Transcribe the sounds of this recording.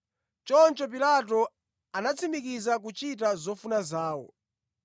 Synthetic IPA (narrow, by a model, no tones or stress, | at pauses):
t͡ʃɔnt͡ʃɔp̬ilatɔ | anat͡sʰimikizak̬ut͡ʃitazɔfunazaːwɔ̰